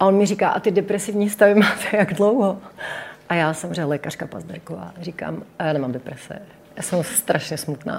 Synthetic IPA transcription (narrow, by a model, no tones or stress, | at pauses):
ʔaonmɪriːka̰ːʔat̪ɪdɛpɾɛsɪvɲiːst̪avɪmaːt̪ʰɛ̥jaɡdlowɦoʔajaːsamoreɲːalɛːkar̝̥kapa̰zdɛɾkova̰ːriːka̰ːmjaːnɛmamdɛpɾɛsɛ̰ | jaːsɛmust̪ɾʔaʃɲɛsmut̪na̰ː